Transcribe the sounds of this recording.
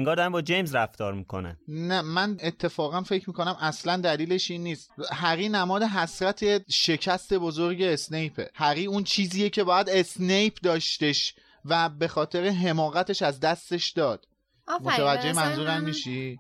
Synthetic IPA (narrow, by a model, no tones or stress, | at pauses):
eŋɡɒːɾd̪mbɒːd͡ʒejmzɾæft̪ɒːɾmikʰo̰næ̰nnæmæne̞t̪ʰːe̞fɒːɣænfe̞cʰmiːko̞næmæslænd̪æliːle̞ʃiːnːiːst̪hæɣiːnæmɒːd̪eɦæsɾæt̪ʰe̞ʃe̞cʰæst̪e̞bozoɾɟe̞ːsne̞jpʰe̞̰hæɣiːunt͡ʃʰiːziːjecʰe̞bɒːjæd̪e̞snejpʰd̪ɒːʃt̪e̞ʃ | væbe̞xɒːt̪ʰe̞ɾe̞ɦe̞mɒːɣæt̪ʰe̞ʃæzd̪æst̪e̞ʃd̪ɒːd̪̥̚ | mot̪evæd͡ʒːejemænzuːɾæmːiʃi